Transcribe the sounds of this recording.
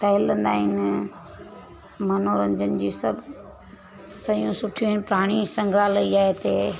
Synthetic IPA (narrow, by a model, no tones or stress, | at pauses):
t̪ɐɦɪlə̃nd̪aːɦɪn | mɐnoːɾə̃ɲd͡ʑənɪ̆d͡ʑiːsɐb | sɐjũsʊʈʰijũɦɪnpɾaːɽ̃isɐ̃ŋɡʱɾalɐiaːɦet̪eː